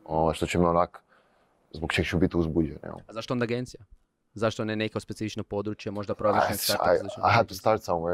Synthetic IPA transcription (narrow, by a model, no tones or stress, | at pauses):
oʋajʃt̪ot͡ɕɛmionak | zbokt͡ʃeɡt͡ʃubit̪iuzbud͡ʒen̰jɛ̰lazaʃt̪oond̪aɡent̪sija | zaʃt̪onenekeospesifit͡ʃnopo̞d̪ɾut͡ʃjemo̞ʒd̪apɾoɾeʃnek̪aalit͡ʃnoa̰jɦad̪̚t̪ust̪aɾt̪sãmwe